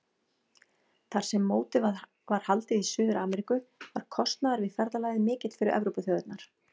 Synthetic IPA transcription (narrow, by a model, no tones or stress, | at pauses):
θaɾ̥sɛmːoːwt̪ɪ | vaɾ̥halt̪ɪisʏːðʏɾʔaːmɛɾikʏvaɾ̥kʰɔst̪naðaɾvɪðfɛɾðalaːjðɪmɪːcɪt̪fɪɾɪɾʔɛ̰vɾowpʏθjœːðʏt̪naɾ̥